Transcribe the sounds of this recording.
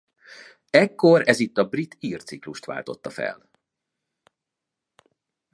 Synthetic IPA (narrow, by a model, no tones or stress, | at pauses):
ɛkːo̞ɾɛzit̪ːɒbrit̪iːrt̪sikluʃt̪ʋa̰ːlt̪o̞t̪ːɒfɛ̰l